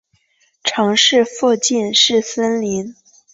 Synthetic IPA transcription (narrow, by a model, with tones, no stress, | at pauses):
ʈ͡ʂʰɑ˧˥ŋʂɻ̩˥˧fu˥˧t͡ɕi˥˧nʂɻ̩˥˩sə˥nli˧˥n